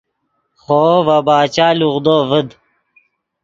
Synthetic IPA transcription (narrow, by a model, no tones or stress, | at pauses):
χoːvɐbaːt͡ɕaːluʁd̪oːvəd̪